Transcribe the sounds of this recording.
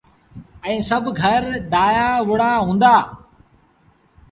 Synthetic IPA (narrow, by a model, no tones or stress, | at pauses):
ɛ̃ːsəbʱɡʱəɾɖaːjaːʋʊɽaːɦũːnd̪aː